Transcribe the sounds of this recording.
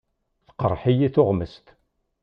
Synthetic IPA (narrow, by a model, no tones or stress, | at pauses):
θə̥qəɾˤħijiθʊʁməst̪